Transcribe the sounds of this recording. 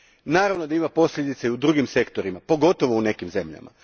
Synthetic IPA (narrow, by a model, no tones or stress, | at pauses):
naːɾaʋno̞d̪aimapo̞sʎʲed̪it̪saiud̪ɾuːɡimse̞kt̪o̞ɾimapo̞ɡo̞t̪o̞ʋoune̞kimze̞mʎa̰ma̰